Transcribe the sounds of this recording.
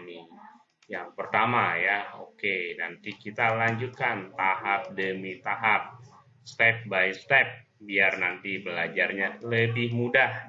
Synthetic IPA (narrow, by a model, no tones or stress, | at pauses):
ni | jaŋpərt̪amajaokenant̪ikit̪alaɲd͡ʒut̪̚kant̪aɦap̚dəmit̪aɦap̚ | st̪ɛp̚bajst̪ɛp̚ | biarnant̪ibəlad͡ʒarɲaləbɪhmudah